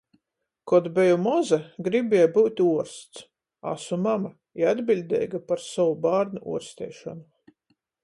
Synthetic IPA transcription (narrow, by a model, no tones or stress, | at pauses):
kɔd̪bɛjumɔzɛɡɾibʲɛjbuːt̪ʲuɔɾst̪s | a̰sumama | iad̪bilʲd̪ɛ̰ːjɡapaɾsɔwubaːɾnuʔṵɔɾst̪ɛ̰ːʃɔ̰nu